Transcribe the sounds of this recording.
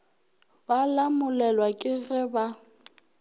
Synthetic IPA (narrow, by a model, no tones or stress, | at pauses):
balamʊlɛlwakʼɪɣɪba